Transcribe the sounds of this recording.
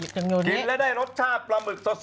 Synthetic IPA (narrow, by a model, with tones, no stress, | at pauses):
i˨˩p̚t͡ɕa˧mɲoː˧ni˨˩˦n̚lɛ˦˥daː˥˩jɾo˦˥t̪̚t͡ɕʰaː˥˩p̚ɾa˧mɯ˨˩k̪̚sa˧˥s